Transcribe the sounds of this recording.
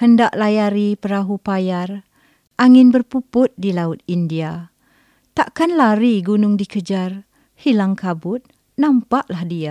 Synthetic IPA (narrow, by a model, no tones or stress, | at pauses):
həndaʔlajaɾipəɾaɦupajar | ʔaŋɪnbərpupʊt̪̚dilaʊt̪̚india | t̪aʔkanlaɾiɡunʊŋdikəd͡ʒar | hilaŋkabʊt̪̚ | nampaʔlahdia